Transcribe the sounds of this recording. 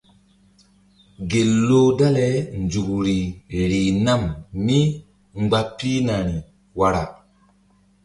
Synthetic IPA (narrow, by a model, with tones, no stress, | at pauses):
ɡe˨lːo˦da˦lɛ˨˦nd͡ʒu˨kɾi˨ɾi˨na˦˨mːi˦ | ŋ͡mɡ͡ba˦pːi˦na˨ɾi˨ | wa˨ɾa̰˨